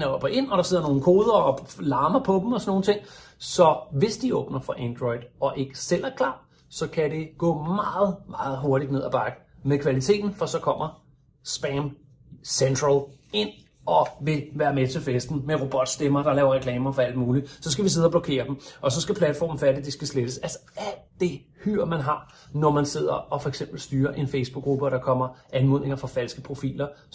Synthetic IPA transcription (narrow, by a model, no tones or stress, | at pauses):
nəɒb̥ɐʔe̝n̰ɒ̽ɾ̥ɑ̈se̝ð̰ˠɐno̝ːn̩kʰo̝ːðˠɐɒlɑ̈ːmɐpʰɒ̽d̥m̩ɒsɒno̝ːn̩t͡sʰe̝ŋ̰sɒ̽ʋe̝sd̥iɔ̽ːb̥nɐfʁɑ̈ʔænd̥ʁɔɪd̥ˠɒ̽ʔe̝ɡ̥əsel̰ʔæɐkʰlɑ̰̈ː | sɒ̽kʰæɾe̝ɡ̥ɔ̰ːmɑ̈ːð̩ˠmɑ̈ːð̞̩ˠɦo̝ɐɾ̥id̥ne̝ð̞̰ˠæb̥ɑ̈ɡ̥ə | meðˠkʰʋælit͡sʰe̝̰ːd̥n̩fɒsɒ̽kʰɒ̽m̰ɐ | sb̥æm | send̥ʁæl | e̝n̰ | ɒ̽ʋe̝ʋæːɐmet͡sʰe̝lfesd̥n̩meʁo̝b̥ɒ̽d̥sd̥emɐd̥ɑ̈lɛːʊɐʁɛkʰlɛːmɐfɒ̽æl̰d̥muːlisɒ̽sɡ̥æʋise̝ð̞ˠɒblɒkʰe̝̰ːɐd̥em̩ʔɒ̽sɒ̽sɡ̥æpʰlæd̥fɒ̰ːmn̩fædid̥e̝sɡ̥æsled̥əsælsɐ̥ | æl̰dd̥e̝ | hyɐ̰mænɦɑ̈ | nɒmænse̝ð̞̰ˠɐʔɒ̽fɒ̽eɡ̥sem̰b̥l̩sd̥yːɐʔe̝nfeɪsb̥uɡ̥ːʁub̥əɒ̽ɾ̥ɑ̈kʰɒ̽m̰ɐʔænmɔð̰ˠne̝ŋɐfɑfæl̰sɡ̥əpʰʁo̝fḭːlɐ